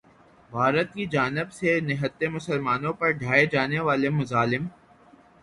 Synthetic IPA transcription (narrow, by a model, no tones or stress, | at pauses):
bʱaːɾət̪kid͡ʒaːnɪbsenɪɦət̪ːemʊsəlmaːnõpɐɾɖʱaːed͡ʒaːneʋaːlemʊzaːlɪm